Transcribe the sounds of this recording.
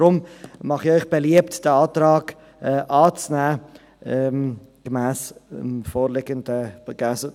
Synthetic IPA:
ɾʊmmɑχɪœʏχb̥eliəptd̥əɑːtɾɑːɡ | ɛʔɑːt͡snæː | ɛm | ɡ̥əmæːsɪmfoːɾlɪɡəndəɡɛs

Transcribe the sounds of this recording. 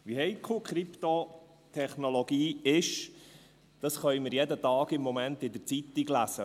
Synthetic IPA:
ʋihɛɪt̚kʰoːkʰχɾipt̪o | t̪ʰɛχnoloɡiːɪʃ | d̥ɑsχœʏmɪɾjɛdət̪ɑːɡɪmːɔmænt̪ɪd̪əɾt͡sit̪iɡlæsə

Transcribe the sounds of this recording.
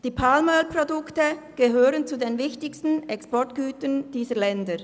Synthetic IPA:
d̥iːpʰalməlpʁodʊktəɡ̥əɦøːʁənt͡sudenvɪçtɪçstn̩ɛkspɔɐtɡ̥yːtənd̥iːzəlɛndə

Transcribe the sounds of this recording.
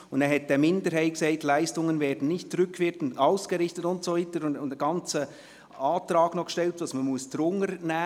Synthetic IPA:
ʊndɛɦɛt̚dəmɪndəɾhaɪtksaɪtlæɪstʊŋənvɛːd̥n̩nɪçtt͡sɾʏkːʋɪkn̩aʊsɡ̥əɾɪçtətʊntsoviːtəɾʊnʊndəɡ̥ɑnt͡sə | ɑːtɾɑːɡ̥nɔχʃtɛltʋɑsmənmuəstɾʊŋəɾnæː

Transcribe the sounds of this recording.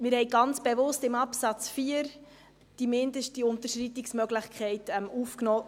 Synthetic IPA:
mɪɾhɛɪɡ̥ɑnt͡sb̥evʊstɪmɑpsɑt͡sfiːəɾ | d̥imɪndəʃtiʊnt̪əɾʃritiksmœɡləχkʰɛɪtɛmufknɔː

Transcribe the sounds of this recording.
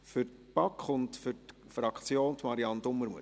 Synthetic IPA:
fʏrt | pɑkʰχʊndfʏt | fɾɑkʰt͡sjoːntmɑɾiɑnd̪ʊmːəɾmuə

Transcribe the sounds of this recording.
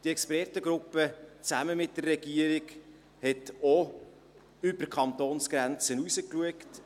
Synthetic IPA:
d̥iɛkspɾɛrtəɡɾʊpːət͡sæməmɪt̚d̥ərːɛɡ̥iəɾiɡ | hɛto | ʏbərkʰχɑnt̪oːnsɡ̥ɾɛnt͡sənusəkluəkt

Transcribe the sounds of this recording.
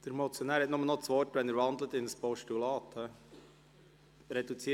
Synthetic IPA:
d̥əɾmɔt͡sjoɔnæːɾhɛtnʊmənɔt͡sʋɔrtʋɛnəɾvɑnd̪lət̪ɪnəspɔʃtulɑːt̪hɛ | ɾɛdut͡siː

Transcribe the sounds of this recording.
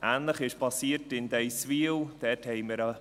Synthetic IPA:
ʔæːnləχɪʃpʰɑsiːətɪnd̥ɛjsviəwd̥ɛthɛɪməɾɑ

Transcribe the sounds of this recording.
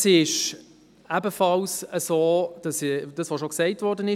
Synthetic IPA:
sɪʃ | ʔæbəfɑlsəsoːd̥ɑsd̥ɑsvoːʃoksɛɪtvɔɾdənɪ

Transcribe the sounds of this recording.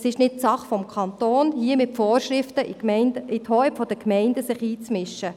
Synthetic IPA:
sɪʃnɪt̚t͡sɑχfɔmkʰɑnt̪oːnhiəmɪtfɔːɾʃɾɪftəɪnəɪthɔɪpfɔd̥̪əkmɛɪndəsɪχiːt͡smɪʃə

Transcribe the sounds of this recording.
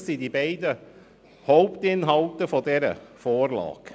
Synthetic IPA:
sid̪ibæɪd̪ə | hɔʊpt̪ɪnɦɑlt̪əfɔdɛːɾə̰foːɾlɑ̰ːɡ̥

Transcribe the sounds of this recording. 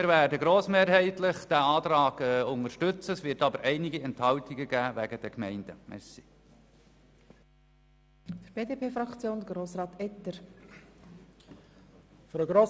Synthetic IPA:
mɪːɾvæːdəɡɾoːsmeːɾhɛɪtlɪχd̥æːɑːt̪ɾɑːɡ̥ɛʊŋəʃtʏt͡səsʋɪtɑbəɾʔɛɪnɪɡiɛnthɑltɪɡəɡæːʋæɡəd̥ɛkmɛɪnd̥əmʔɛ̰ɾsi̥ | d̥əɾb̥eːdeːpʰeːfɾɑkt͡sjoːnd̪əɡɾoːsɾɑːt̪ɛt̪əɾ | fyɾəɡɾoː

